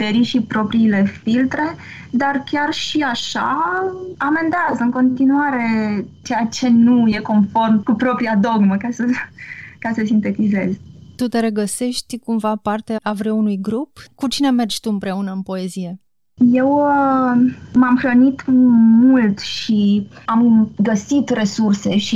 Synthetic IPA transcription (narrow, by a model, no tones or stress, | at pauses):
t̪eɾiʃipɾo̞pɾiːle̞filt̪ɾe̞ | d̪arkʲarʃiaʃa̰ | ame̞nd̪eazɨŋko̞nt̪inuaɾe̞t͡ʃejat͡ʃe̞nuje̞ko̞nfo̞rmkupɾo̞pɾiad̪o̞ɡməkʲasə | kasəsint̪e̞t̪ize̞zt̪ut̪e̞ɾeɡəse̞ʃt̪ʲkumvapart̪e̞avɾeunujɡɾupkut͡ʃine̞me̞rd͡ʒʲt̪uɨmpɾe̞unəɨnpo̞e̞zije̞ | je̞w | mamxɾənit̪mult̪ʃiamɡəsit̪re̞surse̞ʃi